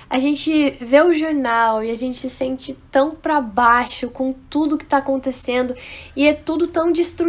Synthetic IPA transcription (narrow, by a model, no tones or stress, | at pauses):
aʒẽnt͡ʃɪveʊʒoɾnawɪaʒẽnt͡ʃɪ̥sɪsẽnt͡ʃɪt̪ɐ̃w̃pɾɐbaʃʊkõt̪ud̪ʊkɪ̥t̪aːkõnt̪esẽnd̪ʊɪɛt̪ud̪ʊt̪ɐ̃w̃d͡ʒist̪ɾu